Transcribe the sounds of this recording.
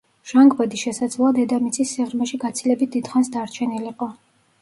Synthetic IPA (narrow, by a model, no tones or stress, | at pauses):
ʒ̥aŋɡbad̪isʃɛsad̪zlˠɔad̪ɛd̪amit̪sʰʼisːiʁɾmɛʃiɡat̪sʰilɛbit̪̚d̪id̪̥χansd̪aɾt͡ʃʰɛniliqʼɔ